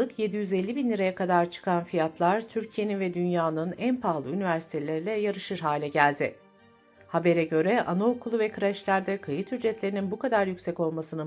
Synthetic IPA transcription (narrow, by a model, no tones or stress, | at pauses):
ɯkje̞d̪ijyzelʲːibinlʲiɾajakʰad̪aɾt͡ʃʰɯ̥kʰanfijat̪lˠaɾt̪ʰyɾcʰije̞ninvɛd̪ynjaːnɯnænpʰaːlˠɯynivæɾsi̥t̪ʰe̞lʲeɾilʲɛjaɾɯʃɯɾɦaːlʲɛɟælʲd̪ɪ | habe̞ɾɛɟø̞ɾɛʔa̰naokʰulˠuvɛkʰɯɾaʃlʲæɾd̪ɛkʰajɯt̪yd͡ʒɛt̪lʲe̞ɾininbukʰad̪aɾjycsɛco̞lˠmasɯnɯ